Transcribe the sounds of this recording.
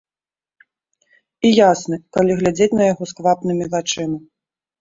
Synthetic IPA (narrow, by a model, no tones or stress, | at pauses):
ijasnɨkalʲiɣlʲad͡zʲet͡sʲnɐjaɣɔskvapnɨmʲivat͡ʂɨmɨ